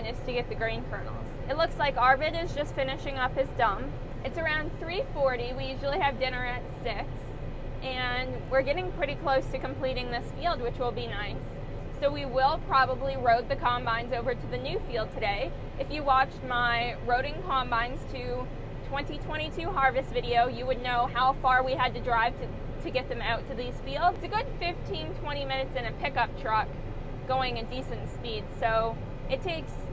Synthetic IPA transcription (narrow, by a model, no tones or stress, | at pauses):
nɨstʰɨɡɛt̪̚ðɨɡɹĩɪ̃nkʰɜ˞nl̩ˠz̥ɨtˡlʊkslaɪkɑɹvɨɾɨzd͡ʒʌstfɪ̃nɨʃɪ̃ŋʌphɨzdʌ̃m | ɨtsə˞ãʊ̃nθɹifɔɹɾiwijʉʒl̩ˠiɨvdɪ̃nə˞ɨtsɪks | ʔɨ̃n | wɪɹɡɛɾɪ̃ŋpʰɹ̥ɪɾikʰl̥oʊstʰɨkm̩pʰl̥iɾɪ̃ŋðɪsfilˠd̚wɨt͡ʃwəlˠbinaɪsː | oʊwiwɪlˠpʰɹ̥ɑbəbliɹoʊd̪̚ðɨkʰɑ̃mbãɪ̃nzoʊvə˞ɾɨðɨnʉfilˠd̚tʰɨɾeɪ | ɨfjɨwɑt͡ʃmaɪɹoʊɾɪ̃ŋkʰɑ̃mbãɪ̃nz̥tʰɨ | tʰw̥ɛ̃ntitʰw̥ɛ̃ɾ̃itʰʉɦɑɹvɨstvɪɾioʊjɨwɨdⁿnoʊhaʊfɑɹwiɨd̚tɨdɹaɪv̥tɨ | tʰɨɡɛt̪̚ðɨ̃maʊtʰɨðiz̥filˠdɨɡʊd̥fɪftʰĩntʰw̥ɛ̃ɾ̃imɪ̃ñɨtsɨ̃ñɨpʰɪkʌp̚tʰɹ̥ʌk | ɡ̥oʊɪ̃ŋɨd̥isɨ̃ntspid̥soʊ | ɨtʰeɪks